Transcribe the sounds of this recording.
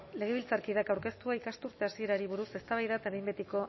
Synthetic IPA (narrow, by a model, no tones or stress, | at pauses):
le̞ɣ̞e̞βilt͡saɾkiðakawɾke̞st̪uaikast̪uɾt̪e̞asie̞ɾaɾiβ̞uɾuse̞st̪aβajðat̪eɾejmbet̪iko̞